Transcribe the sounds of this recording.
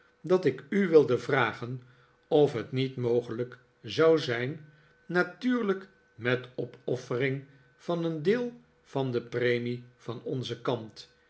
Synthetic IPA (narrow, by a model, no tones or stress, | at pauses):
dɑtɪkyʋɪlˠdəvraːχən | ɔfɦətnitmowχələk | zɑwzɛjnː | atyːɹlək | mɛtɔpɔfərɪŋ | v̥ɑnəndɪːlˠ | v̥ɑndəprejmiv̥ɑnɔnzəkɑmt